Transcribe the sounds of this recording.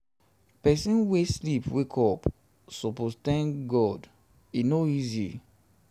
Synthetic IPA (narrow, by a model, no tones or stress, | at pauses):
pɛsĩnweslipwekʰɔp | sopozt̪ɛ̃ŋkɡɔd | inoizḭ